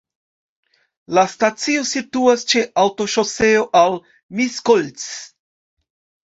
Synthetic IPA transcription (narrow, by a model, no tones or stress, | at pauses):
lastat͡sio̞situast͡ʃe̞ʔawto̞ʃo̞se̞oʔal | miskolt͡s